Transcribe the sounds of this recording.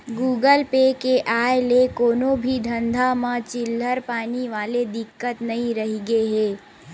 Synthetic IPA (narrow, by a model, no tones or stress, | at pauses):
ɡuːɡəlpekeʔaːelekoːnõbʱid̪ʱɐ̃nd̪ʱamãt͡ʃɪlːəɾpaːniʋaːled̪ɪkːət̪nɐɦĩɾɐɦiɡeɦɛː